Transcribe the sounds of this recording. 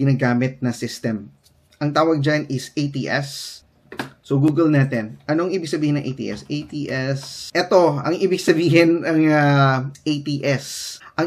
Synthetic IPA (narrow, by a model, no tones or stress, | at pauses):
ɡɪnaːɡaːmɪt̪̚nɐsɪst̪ɛm | ʔɐŋt̪aːwɐɡ̚d͡ʒanɪsʔejt̪ḭːʔɛs | oɡuːɡɛlnaːt̪ɛnʔɐnoɐŋʔiːbɪɡ̚sɐbiːhɪnɐŋʔḛjt̪ḭːʔɛ̰sejt̪iːʔɛsʔɛt̪o̞ɐŋʔiːbɪɡsɐbiːɦɪnɐŋaʔejt̪iːʔɛsʔɐŋ